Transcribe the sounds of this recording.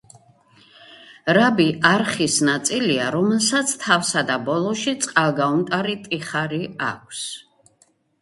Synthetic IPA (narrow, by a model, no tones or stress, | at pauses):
ɾabiaɾχisnat̪sʼiliaɾɔmɛlˠsat̪sʰt̪ʰafsad̪abɔlˠɔʃit̪sʼqʼalˠɡaumt̪ʼaɾit̪ʼiχaɾia̰kʷʰs